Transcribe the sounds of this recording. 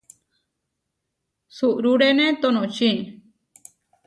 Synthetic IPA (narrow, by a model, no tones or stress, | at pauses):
suʔɾuɽenẽt̪onõt͡ʃĩ